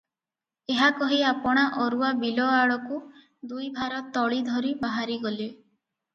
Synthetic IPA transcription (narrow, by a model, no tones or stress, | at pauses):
eɦakɔɦiapɔɽ̃aʔɔɾuabilɔaɭɔku | d̪ujbʱaɾɔt̪ɔɭid̪ʱɔɾibaɦaɾiɡɔli